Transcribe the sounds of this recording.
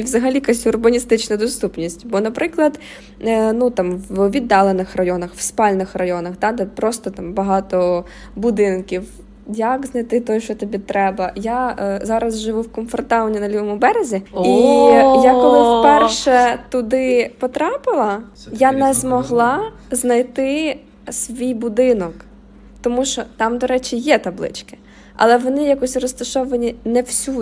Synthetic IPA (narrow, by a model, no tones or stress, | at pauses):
iʋzɐɦɐlʲikasʲʊrbɐnʲist̪ɪt͡ʃnɐd̪ɔst̪upnʲisʲtʲbɔnɐpɾɪklˠɐd̪ | nut̪ɑmwʋʲid̪ːɑlˠenɪxrɐjɔnɐxwspɑlʲnɪxrɐjɔnɐxd̪ɑd̪ɛpɾɔst̪ɔt̪ɑmbɐɦɑt̪ɔ | bʊd̪ɪnkʲiw | jɐkznɐjt̪ɪt̪ɔjʃt͡ʃɔt̪ɐbʲit̪ɾɛbɐjazɑɾɐzʒɪʋuwkɔnfɔrt̪aʋɐnʲːinɐlʲiʋɔmʊbɛɾezʲiijakɔlˠɪfpɛrʃɛt̪ʊd̪ɪpɔt̪ɾɑpɪlˠɐ | janɛzmɔɦlˠɑ | znɐjt̪ɪ | sʲʋʲijbʊd̪ɪnɔk | t̪ɔmuʃt͡ʃɔt̪ɑmd̪ɔɾɛt͡ʃijɛt̪ɐblˠɪ̰t͡ʃkɪ̥ | ɐ̰lˠɛʋɔnɪjakɔsʲrɔst̪ɐʃɔʋɐnʲinɛwsʲu